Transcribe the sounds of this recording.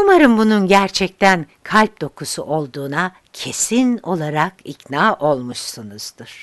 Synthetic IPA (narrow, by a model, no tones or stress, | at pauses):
umaɾɯmbununɟæɾt͡ʃʰɛc̚t̪ʰænkʰalʲp̚d̪̥o̞kʰusṵʔo̞lˠd̪uːna | cʰe̞sino̞lˠaɾakicnaːʔo̞lˠmuʃsunɯz̥d̪ɯɾ̥